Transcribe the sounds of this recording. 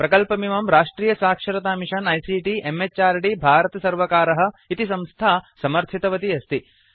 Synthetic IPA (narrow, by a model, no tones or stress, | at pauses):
pɾɐkɐlpɐmiʋɐmɾaːʂʈɾiːjɐsaːkʂɐɾɐt̪aːmiʃɐnɐjsiːʈiʔemet͡ʃaːɾɖibʱaːɾɐt̪ɐsɐɾʋɐkaːɾɐɦɐ̆it̪isɐ̃mst̪ʰaːsɐmɐɾt̪ʰit̪ɐʋɐt̪iɐst̪i